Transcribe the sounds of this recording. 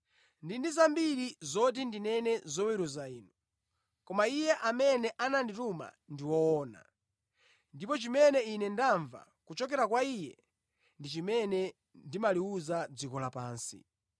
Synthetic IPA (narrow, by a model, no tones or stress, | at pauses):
ndindizambiɾizɔt̬indinɛnɛzɔwɛɾuzaiːnu | kɔmaijɛʔamɛnɛʔanandituma̰ | ndiwɔːna̰ | ndipɔt͡ʃimɛnɛinɛndaɱva̰ | kut͡ʃɔk̬ɛɾak̬waijɛ̰ | ndit͡ʃimɛnɛ | ndimaliuzad͡zikɔlapaːnsḭ